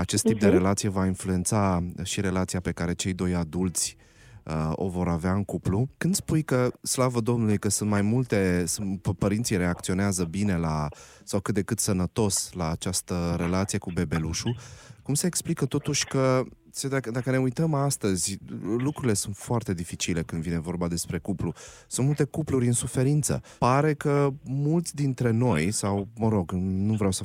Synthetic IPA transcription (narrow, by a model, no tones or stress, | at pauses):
at͡ʃe̞st̪ip̚d̪eɾe̞lat̪sije̞vainflue̞nt̪saʃiɾe̞lat̪sijape̞kaɾe̞t͡ʃe̞jd̪o̞jad̪ult̪sʲ | əo̞̰vo̞ɾaveaɨŋkuplukɨnd̪spujkəslavəd̪o̞mnulujkəsunt̪majmult̪e̞spəɾint̪sijɾe̞ak̚t̪sio̞neazəbine̞lasawkɨt̪̚d̪e̞kɨt̪sənət̪o̞slaːt͡ʃast̪əɾe̞lat̪sije̞kube̞be̞luʃukumse̞ːksplikət̪o̞t̪uʃʲkə | sed̪akəd̪akəne̞ujt̪əmast̪əzʲlukɾuɾile̞sunt̪foart̪e̞d̪ifit͡ʃile̞kɨnd̪vine̞vo̞rbad̪e̞spɾe̞kuplusunt̪mult̪e̞kupluɾʲɨnsufe̞ɾint̪sə̰paɾe̞kəmult̪sʲd̪int̪ɾe̞no̞jsawməɾo̞ɡnuvɾeawsə